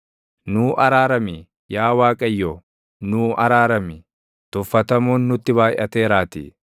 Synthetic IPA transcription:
nuːʔɐɾaːɾɐmɪ | jaːwaːkʼɐjːɔ | nuːʔɐɾaːɾɐmɪ | t̪ʊfːɐt̪ɐmuːnːʊt̪ːɪbaːjʔɐt̪eːɾaːt̪ḭ

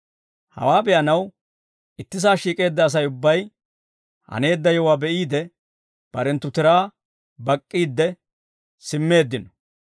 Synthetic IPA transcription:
hɐ̰waːbɛʔɐnɐw | ʔɪt̪ːɪs̬aːʃiːkʼe̞ːd̪ːɐːs̬ɐjʊbːɐj | hɐ̰ne̞ːd̪ːɐjɔwaːbɛʔiːd̪ɛ | b̥ɐɾɛnt̪ːʊt̪ɪɾaː | bɐkʼːiːd̪ːɛ | sɪmːe̞ːd̪ːɪnɔ̥

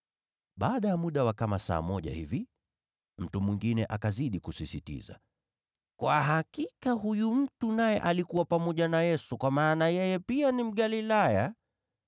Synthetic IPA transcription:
ɓaːɗajamuɗawakamasa̰ːmɔʄa̰hivi | m̩tumwiŋɡinɛʔakaziɗikusisitḭza̰ | kwaɦakikaɦujum̩tunajɛ̰ʔalikuwapamɔʄanajɛsukwamaːnajɛjɛpianim̩ɠalilaja

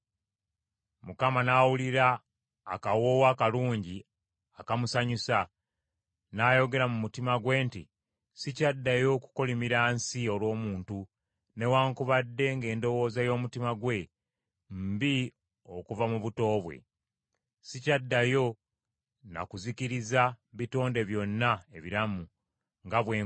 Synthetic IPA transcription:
mukamanawuliɾaː | kawo̞ːwaːkaluːɲɟi | akamusaɲusa | naːjo̞ɡe̞ɾamumutimaɡwe̞ːntḭ | sicadːajo̞ku̥ko̞limiɾaːnsio̞lwo̞ːmuːntu | ne̞waːŋkuβadːe̞ŋɡe̞ːndo̞wo̞ːzajo̞ːmutimaɡwe̞ | mbi | o̞kuvamuβuto̞ːβwe̞̰ | sicadːajo̞ | na̰kuziciɾizaβito̞ːnde̞βjo̞nːaeβiɾamu | ŋɡaβweː

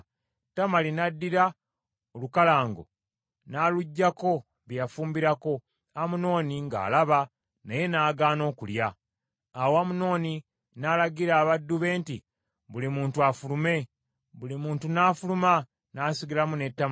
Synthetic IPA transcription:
tːamalinadːiɾa | olukalaːŋɡo̞̰ | naːluɟːako̞ | βijafuːmbiɾako̞ | amuno̞ːniŋɡa̰ːlaβa | naje̞naːɡaːno̞ːkuljaː | wamuno̞ːni | naːlaɡiɾaːβadːuβe̞ːnti | βulimuːntuafulume̞ | βulimuːntunaːfuluma | naːsiɡilamune̞tːam

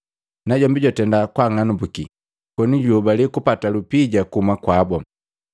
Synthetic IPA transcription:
naɟɔmbiɟɔtɛndakwaŋanubuki | kɔniɟubalikupatalupiɟakuhumakwabɔ

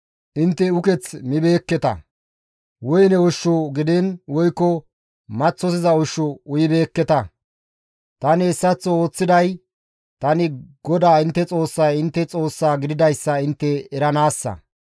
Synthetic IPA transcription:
ʔɪnt̪ːɛʊkɛt͡smɪbe̞ːkːɛt̪ɐ̰ | wɔjnɛʊʃːɔɡɪd̪ɛnwɔjkːɔ | mɐt͡sːɔsɪzɐʊʃːɔʊjɪbe̞ːkːɛt̪ɐ | t̪ɐnɪːsːɐt͡sːɔo̞ːt͡sːɪd̪ɐj | t̪ɐnɪɡ̥ɔd̪aːɪnt̪ːɛt͡sʼo̞ːsːɐjɪnt̪ːɛt͡sʼo̞ːsːaːɡɪd̪ɪd̪ɐjsːɐɪnt̪ːɛːɾɐnaːsːɐ̰

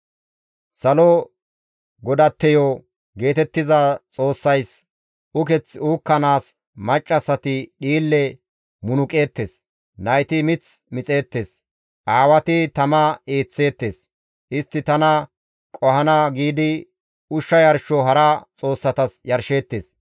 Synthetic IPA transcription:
sɐlɔ | ɡɔd̪ɐt̪ːɛjɔ | ɡe̞ːt̪ɛt̪ːɪzɐt͡sʼo̞ːsːɐjs | ʊkɛt͡suːkːɐnaːs | mɐt͡ʃʼːɐsːɐt̪ɪɗiːlːɛ | mʊnʊkʼe̞ːt̪ːeːs | nɐjt̪ɪmɪt͡smɪt͡sʼe̞ːt̪ːe̞ːs | ʔaːwɐt̪ɪt̪ɐmɐeːt͡sːe̞ːt̪ːeːs | ʔɪst̪ːɪt̪ɐnɐ | kʼɔhɐnɐɡiːd̪ɪ | ʊʃːɐjɐɾʃɔɦɐɾɐt͡sʼo̞ːsːɐt̪ɐsjɐɾʃe̞ːt̪ːeːs

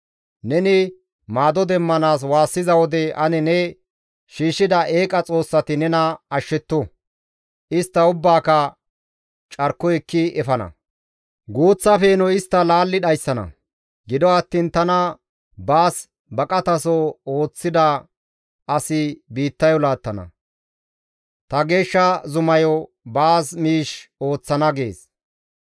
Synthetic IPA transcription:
nɛnɪ | maːd̪ɔd̪ɛmːɐnaːs̬waːsːɪzɐwɔd̪ɛʔɐnɛnɛ | ʃiːʃɪd̪ɐʔeːkʼɐt͡sʼo̞ːsːɐt̪ɪnɛnɐɐʃːɛt̪ːɔ | ʔɪst̪ːɐʊbːaːkɐ | t͡ʃʼɐɾkːɔɛkːɪɛfɐnɐ̰ | ɡuːt͡sːɐfeːnɔɪst̪ːɐlaːlːɪɗɐjsːɐnɐ̰ | ɡɪd̪ɔɐt̪ːiːnt̪ɐnɐ | baːs | bɐkʼɐt̪ɐsɔo̞ːt͡sːɪd̪ɐ | ʔɐsɪbiːt̪ːɐjɔlaːt̪ːɐnɐ̰ | t̪ɐɡe̞ːʃːɐzʊmɐjɔ | baːsmiːʃo̞ːt͡sːɐnɐɡe̞ːs

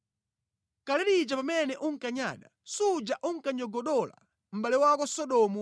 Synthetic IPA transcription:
kalɛɾit͡ʃapamɛnɛʔuŋ̩kaɲa̰ːɗa | sud͡ʒaʔuŋ̩kaɲɔɡɔɗɔla̰ | m̩ɓalɛwakɔsɔɗɔmu

